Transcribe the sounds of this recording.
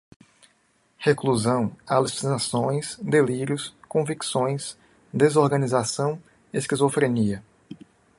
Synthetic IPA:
hekluzɐ̃w̃alusinasõj̃sd̪eliɾjʊskõviksõj̃s | d̪ezoɾɡɐ̃nizasɐ̃w̃ | eskizofɾeniɐ

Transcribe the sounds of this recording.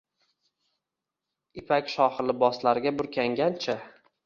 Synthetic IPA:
ɪpʰakʲʃɒhlɪbɒslaɾɪɡʲabʊɾkʲʰaŋɡʲant͡ʃʰa

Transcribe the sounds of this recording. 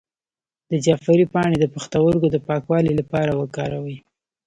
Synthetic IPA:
d̪əd͡ʒɑfaɾipɑɽed̪əpaxt̪awəɾɡod̪əpɑkwɑlilapɑɾawəkɑɾawə

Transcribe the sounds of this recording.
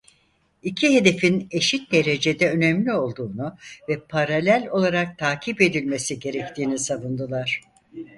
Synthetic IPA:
icʰiɦe̞d̪e̞fine̞ʃit̪̚d̪e̞ɾe̞d͡ʒe̞d̪ɛø̞nɛmlʲio̞lˠd̪uːnuvɛpʰaɾalʲælʲo̞lˠaɾak̚t̪ʰaːcʰipe̞d̪ilʲme̞siɟe̞ɾɛc̚t̪ʰiːnisavund̪ɯlˠaɾ̥

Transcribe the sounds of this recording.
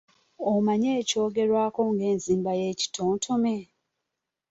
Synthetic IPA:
omaɲeːco̞ːɡe̞ɾwaːkoŋɡe̞ːnziːmbaje̞ci̥tʰoːntʰome

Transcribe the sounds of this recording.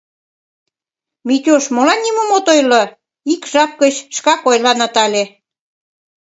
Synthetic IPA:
mit̪ʲoʃmolɑnːimomot̪ojlɤ | ikʒɑp̚kə̆ɕʃkɑkojlɑnɑt̪ɑlʲe

